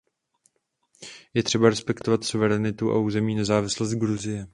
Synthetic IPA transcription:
jɛt̪r̝̥ɛbaɾɛspɛkt̪ovat̪suvɛɾɛnɪt̪uʔa̰uːzɛmiːnɛzaːvɪslost̪̚ɡɾuzɪjɛ

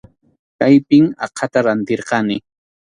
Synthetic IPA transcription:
kajpɪŋɑ̰qʰɑt̪aɾant̪eɾqɑnɪ

